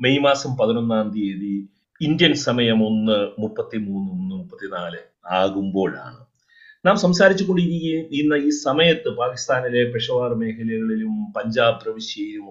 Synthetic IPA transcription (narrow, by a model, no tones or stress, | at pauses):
mejmaːsɐmpɐðino̞nːaːnd̪ieði | ind̪jɐnsɐmɐjɐmo̞nːɨmupːɐt̪ːimuːnːɨmunːɨmupːɐt̪ːinaːlɨ | aːɣumbo̞ːɭa̰ːɳɨ̰ | naːmsɐmsaːɾit͡ɕːukːo̞ɳɖiɾikʲːiinːɐiːsɐmɐjɐt̪ːɨpaːkist̪aːnilepeʂɐʋaːrme̞ːkʰɐljɐɣɐɭilumpɐɲd͡ʑaːbrɐʋiɕjɐjilum